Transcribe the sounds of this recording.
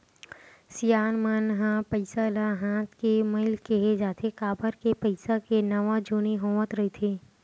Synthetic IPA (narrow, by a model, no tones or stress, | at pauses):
sijaːnmənɦãpəɪsalaɦãːt̪ʰkemɐɪlkeɦed͡ʒaːt̪ʰekaːbəɾkepəɪsakenɐʋãd͡ʒoːniɦõːʋət̪ɾɐɦit̪ʰeː